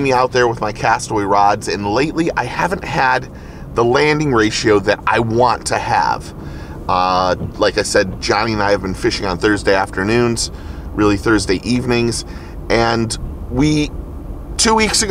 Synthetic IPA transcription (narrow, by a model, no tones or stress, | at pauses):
miaʊt̪̚ðə˞wəðmaɪkʰæstl̩iɹɑdzɨ̃nleɪʔˡliʔa̰ɪhævɨ̃nʔhɨd̪̚ | ðəlæ̃ndɪ̃ŋɹeɪʃioʊðɨɾa̰ɪwɑ̃ntʰɨə̰v̥ | ʌlaɪkaɪsɛd̚d͡ʒɑ̃ñiɨ̃naɪɨvbɨ̃nfɪʃɪ̃ŋə̃nθɜ˞zdeɪæftə˞nʉ̃nz̥ | ɹʔɪlˠiθɜ˞zdeɪʔivnɪ̃ŋz | ʔɨ̃nwi | tʰʉwiksɨɡ